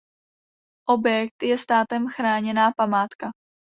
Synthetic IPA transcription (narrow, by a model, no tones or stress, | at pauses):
ʔo̞bjɛk̚t̪jɛst̪aːt̪ɛmxɾaːɲɛnaːpamaːt̪ka